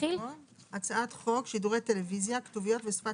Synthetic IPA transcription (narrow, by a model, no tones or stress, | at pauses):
ilo | at͡saat̪χo̞kʃiduʁe̞jt̪e̞levizjakt̪uvijo̞t̪vesfa